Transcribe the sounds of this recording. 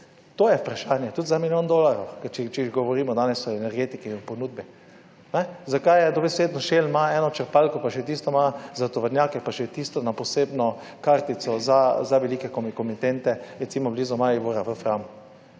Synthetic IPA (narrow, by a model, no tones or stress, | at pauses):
t̪oːjɛpɾaʃaːnjɛt̪ut̪zamiljond̪olaɾo̰wkt͡ʃɛt͡ʃɛiʒɡɔʋɔɾiːmɔd̪aːnɛsɔɛnɛɾɡeːt̪ikiponud̪̚bɛ | nɛzakajɛd̪ɔbeseːd̪nɔʃelmaɛːnɔt͡ʃəɾpalkɔpaʃɛt̪iːst̪ɔmazat̪ɔʋəɾnʲjaːkɛpaʃɛt̪iːst̪ɔnapɔseːbnɔ | kaɾt̪it̪sɔzazaʋɛliːkɛkomkɔmit̪ent̪ɛɾɛt̪siːmɔblizumaiʋoɾaʋəfɾamu